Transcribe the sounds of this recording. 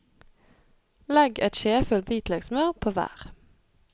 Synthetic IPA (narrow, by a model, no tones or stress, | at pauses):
lɛɡɛt̪ʃeːfʉlt̪biːt̪lɛɡsmɑːʁpʰoːʋæ̰ːʁ